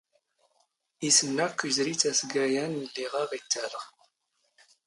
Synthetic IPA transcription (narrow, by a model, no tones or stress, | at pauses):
isənːækːizɾit͡sæsɡæjænlːiʁɑʁit̪ːæl